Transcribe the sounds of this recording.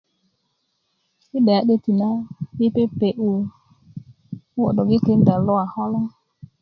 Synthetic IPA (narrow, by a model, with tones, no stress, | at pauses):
ɪ˦ɗɛ˨a˨˦ɗe˦ti˨na˦pi˦pe˦pe˨ʔu˨˦ | ɔ˨ɗɔ˨ɡɪ˦ke˨˦n˦da˨lɔ˦a˨hɔ˦lɔ˦